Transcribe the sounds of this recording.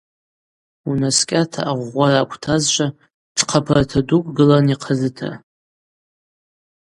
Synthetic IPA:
unaskʲʼatʰa̰ʔaʁʷarakʷʰtʰazt͡ʃʷʼa | ʈ͡ʂʰqʰapʰartʰadukʷʼɡɨlaniqʰazɨtʰa̰

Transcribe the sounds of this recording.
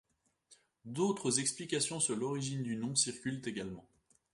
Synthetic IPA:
d̪ot̪χəzɛksplikasjɔ̃səʁlɔʁiʒind̪ynɔ̃siʁkʲylt̪eɡalmɑ̃

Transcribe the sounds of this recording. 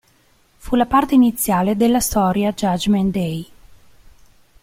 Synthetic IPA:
fulapart̪einit̪sːjaːled̪elːast̪ɔːɾjad͡ʒad͡ʒmɛnd̪ɛj

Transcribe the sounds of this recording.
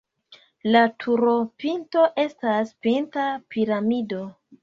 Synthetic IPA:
latʰuɾo̞pinto̞ʔe̞staspintapiɾamido̞

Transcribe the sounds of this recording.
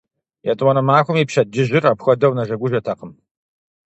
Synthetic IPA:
jɛtʼwɐnɐmaːxʷʊmiːpɕɐdɪʑɪraːpxʷɐdɐwnɐʒɐɡʷʊʒɐtʰɐqəm

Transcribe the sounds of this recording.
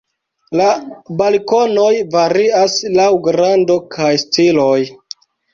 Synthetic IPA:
labalko̞no̞jvaɾiaslawɡɾando̞kʰajstilo̞j

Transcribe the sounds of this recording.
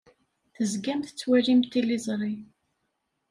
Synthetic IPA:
θəzɡæmθə̥t͡sːwæɾimt̪ːilːizˤɾˤi

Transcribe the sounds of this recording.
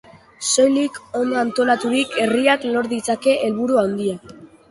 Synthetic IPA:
so̞jliko̞nd̪oant̪o̞lat̪uɾikʰe̞riaklo̞ɾðit͡sake̞ʔelβuɾuawnd̪ia

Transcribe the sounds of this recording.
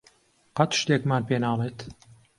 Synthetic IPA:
qɑt̪ʃt̪eːkmaːnpeːnaːlˠeːt̪

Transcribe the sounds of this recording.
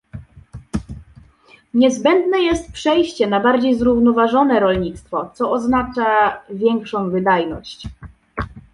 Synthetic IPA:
ɲɛzbɛnd̪nɛjɛst̪̚pʂɛjɕt͡ɕɛnabaɾd͡ʑejzɾuvnɔvaʐɔnɛɾɔlɲit̪st̪fɔt̪sɔɔznat͡ʂavʲjɛŋkʂɔ̃w̃vɘd̪ajnɔɕt͡ɕ

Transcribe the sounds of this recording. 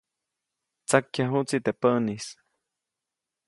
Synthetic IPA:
t͡sakːjaɦuʔt͡sit̪epəʔnis

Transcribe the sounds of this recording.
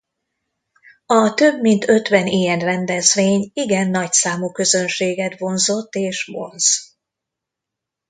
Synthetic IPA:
ɒt̪ø̞bmint̪ʰø̞t̪ʋɛniːjɛnrɛnd̪ɛzʋeːɲiɡɛnːɒcsaːmukø̞zønʃeːɡɛt̪vo̞nzo̞t̪ːeːʃvo̞̰nz

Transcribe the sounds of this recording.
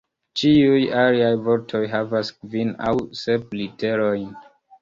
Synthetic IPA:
t͡ʃiujaɾiajvoɾtʰo̞jɦavaskvina̰wseplite̞ɾojn

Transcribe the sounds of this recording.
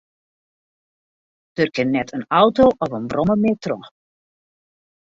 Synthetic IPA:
d̥ørkənːɛtʰənɔwtoʔɔvənbrɔməmetrɔ

